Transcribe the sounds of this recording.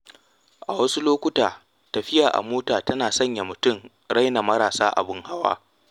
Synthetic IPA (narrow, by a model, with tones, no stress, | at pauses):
ʔa˨wɐ˦su˦loː˦kʷʊ˦taː˨ | tɐ˨ɸɪ˦jaː˨ʔa̰˨moː˦taː˨tɐ˦naː˨sɐ˦ɲja˨mʊ˨tʊ˦˨ŋ | ɽa˦jna˨mɐ˦ɾaː˨saː˦ʔa̰˨bɪ˦ŋha˦wa̰ː˦